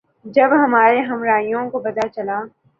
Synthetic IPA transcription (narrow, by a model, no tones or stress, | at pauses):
d͡ʒɐbɦɐmaːɾeɦɐmɾaːijõkobɐd̪at͡ʃɐlaː